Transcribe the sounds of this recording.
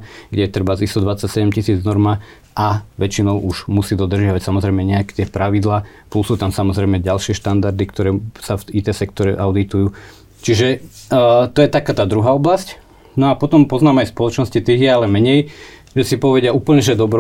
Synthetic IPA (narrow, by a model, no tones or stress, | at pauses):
ɡɟɛjɛt̪r̩bazist̪ɔd̪ʋat͡sacsɛɟɛmcisiːd͡znɔɾma | ʔaʋɛt͡ʃinɔʊʔuʒmusiːd̪ɔd̪r̩ʒɪaʋacsamɔzɾɛjmɛɲɛakɛt̪ɪɛpɾaʋid̪laː | plusuːt̪amsamɔzɾɛɪmɛɟalʃɪɛʃt̪and̪aɾd̪ikt̪ɔɾɛːsafit̪ɛsɛk̚t̪ɔɾɛ̰ʔaʊd̪it̪ujuː | t͡ʃiʒɛ | t̪ɔjɛt̪akaːt̪aːd̪ɾuɦaːɔblasc | nɔapɔt̪ɔmpɔznaːmajspɔlɔt͡ʃnɔscit̪iːɦjɛalɛmɛɲɛj | ʒɛsipɔʋɛɟɪauːpl̩ɲɛʒɛd̪ɔbɾɔ